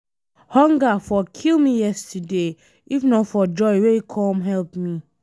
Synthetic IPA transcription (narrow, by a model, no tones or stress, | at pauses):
hɔ̃ŋɡafɔkʰilmĩjɛstʰade | ifnɔ̃fɔd͡ʒɔɪweikʰɔ̃mɦɛlpmĩ